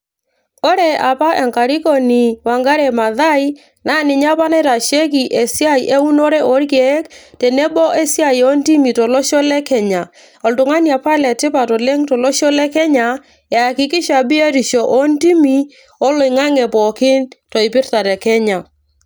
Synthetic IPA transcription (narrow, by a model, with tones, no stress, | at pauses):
ɔ˦ɾɛ˨a˨pa˦ʔɛ˨ŋka˨ɾi˦kɔ˦ni˨wa˨ŋɡa˦ɾɛ˨ma˨ða˦i˦ | na˦˨nɪ˨ɲa˦pa˦nɛ˦ɾa˨ʃɛ˦k̬i˨ʔe˨sja˦i˨ʔɛ˦u˦nɔ˦ɾɛ˦ʔɔ˦ɾkɛ˨˦ktɛ˨nɛ˦bɔ˦ʔɛ˦sja˦˨i˨ɔ˦nti˦mi˨tɔ˨lɔ˦ʃɔ˦lɛ˦kɛ˨ɲa˨ | ɔ˨ltʊ˨ŋa˦nja˨pa˦lɛ˨tɪ˦pa˨tɔ˨lɛ˦ŋtɔ˨lɔ˦ʃɔ˦lɛ˦kɛ˦ɲa˨ | ja˨kɪ˨kɪ˦ʃa˨bɪ˦ɛ˦ɾi˨ʃɔ˨ʔɔ˦nti˦mi˨ | ɔ˦lɔ˨ŋa˦ŋɛ˨pɔ˨kɪ˦ntɔ˨ɪ˨pɪ˦ɾta˨tɛ˨kɛ˦ɲa˨